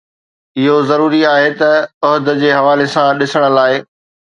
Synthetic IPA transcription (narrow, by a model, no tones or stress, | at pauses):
ɪɦozɐɾuːɾiaːɦet̪ɐʊɦʊd̪d͡ʑeːɦɐʋaːlesãɗɪsəɽ̃ə̆laːɪ